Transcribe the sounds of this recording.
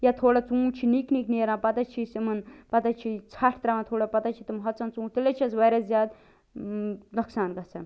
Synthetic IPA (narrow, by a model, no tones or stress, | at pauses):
jat̪ʰoːɽat͡sũːt͡ʃʰinikniːkneːɾãːpɐt̪ɐt͡ʃʰisimɐnpɐt̪ɐt͡ʃʰit͡sʰaʈʰt̪ɾamɐt̪ʰoːɽapɐt̪ɐt͡ʃʰit̪umɦɐt͡sɐnt͡sũːt̪ilet͡ʃʰisʋɐjɾɐzjaːd̪ | nɐksaːnɡɐt͡sʰɐ